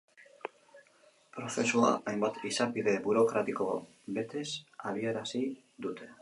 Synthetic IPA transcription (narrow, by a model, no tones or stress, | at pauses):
pɾo̞θe̞sua̰ajmbat̪isapiðe̞buɾo̞kɾat̪iko̞ | be̞t̪e̞saβ̞ie̞ɾasi | d̪ut̪ʰe̞